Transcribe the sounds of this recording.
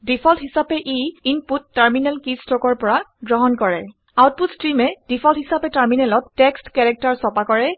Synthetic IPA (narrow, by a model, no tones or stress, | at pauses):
dipʰɔltɦisapɛʔiinputːaɹminɛlkistɔkɔɹpɔɹaɡɹɔɦɔnkɔɹɛ̰ | awt̚putstɹimɛd̥ipʰɔlthisapɛtaɹminɛlɔtːɛkstkɛɹɛk̚taɹsɔpakɔɹɛ